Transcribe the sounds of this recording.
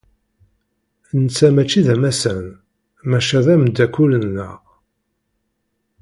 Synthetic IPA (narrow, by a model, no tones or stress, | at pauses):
nət͡sːæmæt͡ʃːiðæmæsæn | mæʃæðæmd̪ːækːulənːæ̰